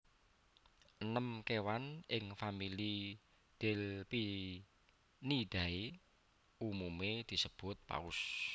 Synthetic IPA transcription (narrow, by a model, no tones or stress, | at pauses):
ʔənəmkewanʔɪŋfamili | d̪̥elpi | nid̪̥ä̤e | umumed̪̥i̤səb̥ʊ̤t̪̚pa̰ʊs